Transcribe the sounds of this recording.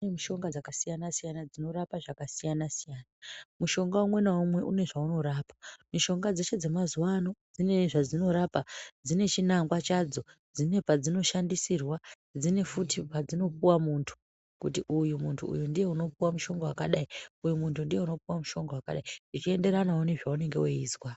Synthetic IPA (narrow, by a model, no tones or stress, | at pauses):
emuʃo̞ŋɡad͡zakasijanasijanad͡zino̞ɾapaʐakasijanasijaːnamuʃo̞ŋɡaumwe̞naumwe̞ʔune̞ʐauno̞ɾaːpḁmiʃo̞ŋɡad͡ze̞ʃe̞d͡ze̞mazuwano̞d͡zine̞ʐad͡zino̞ɾapad͡zine̞t͡ʃinaŋɡwat͡ʃad͡zo̞d͡zine̞pad͡zino̞ʃandisirwa | d͡zine̞futipad͡zino̞p̚uwamuntʰu̥ | kutiʔujumuntʰṵṵjundije̞uno̞p̚uwamuʃo̞ŋɡowakaɗaiujumuntʰundije̞uno̞puwamuʃo̞ŋɡowakaɗaiʐit͡ʃie̞nde̞ɾanaune̞ʐaune̞ŋɡe̞weiːzwa